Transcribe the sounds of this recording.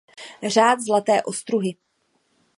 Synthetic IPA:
r̝aːt̪zlat̪ɛːʔo̞st̪ɾuɦɪ

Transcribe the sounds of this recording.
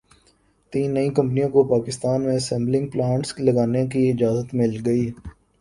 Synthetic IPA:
t̪iːnːɐĩkɐ̃mp̬nijõkopaːkɪst̪aːnmẽsɛ̃mblɪ̃ŋɡ̚plãːɳʈslɐɡaːnekiɪd͡ʒaːzət̪mɪlɡɐiː

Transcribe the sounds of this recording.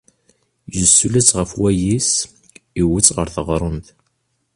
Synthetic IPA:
jəsːulæt͡sːʁəfwæjis | iwət͡sːʁəɾθəʁɾˤont̪

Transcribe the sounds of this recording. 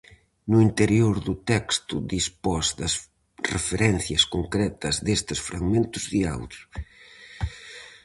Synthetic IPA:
nʊint̪eɾjoɾðʊt̪ɛkst̪ʊd̪ispɔzd̪ɐs | refeɾɛn̟θjɐskoŋkɾɛt̪ɐzðest̪ɪsfɾa̰ɣmẽnt̪ʊzðia̰wd̪ʊ

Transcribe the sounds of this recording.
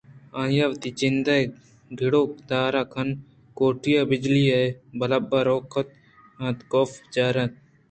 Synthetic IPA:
ãːjaʋt̪iːd͡ʒɪnd̪a | ɡʱɪɽoːk̚d̪aːɾaːkʰɐn | koːʈijaːbɪd͡ʒliːɐebɐlɐbːaːɾoːkʰət̪̚ | ãːt̪koːfd͡ʒaːɾɐt̪̚

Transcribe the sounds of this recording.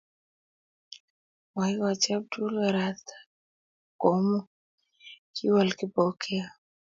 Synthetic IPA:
waiwat͡ʃab̚dulaɾat̪ḁ | kɔmu | kiwalkipɔkʰɛa

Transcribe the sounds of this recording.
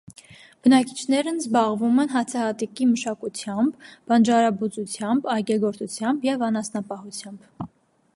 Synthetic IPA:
b̥ənɑkit͡ʃʰnɛɾənzbɑʁvumɛnɦɑt͡sʰɑhɑt̪ikiməʃɑkut͡sʰjɑmbbɑnd͡ʒɑɾɑbut͡sut͡sʰjɑmbɑjɡɛɡɔɾt̪ʰut͡sʰjɑmbjɛvɑnɑsnɑpɑɦut͡sʰjɑmb

